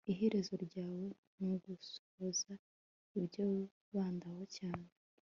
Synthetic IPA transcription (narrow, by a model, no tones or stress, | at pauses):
iɦeɾezoɾɟaːwo̞ | noɡuso̥βoza | iβjo | βaːndawocaːne